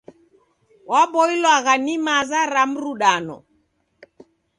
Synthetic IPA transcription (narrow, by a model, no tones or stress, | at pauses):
wabɔilwaɣanimazaɾam̩ɾuɗanɔ̰